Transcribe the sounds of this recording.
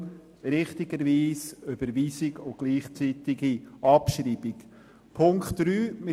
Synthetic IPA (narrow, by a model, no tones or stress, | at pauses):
ɾɪχt̪ɪɡəɾviːsøb̥əɾʋiːsɪɡʊɡ̥liːχt͡siːt̪ɪɡiʔɑpʃɾiːb̥iɡ | pʰʊŋktɾyːmɪ